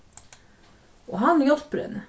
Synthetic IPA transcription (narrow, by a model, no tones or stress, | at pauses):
o̰ːhɑnjɔspɾə̰n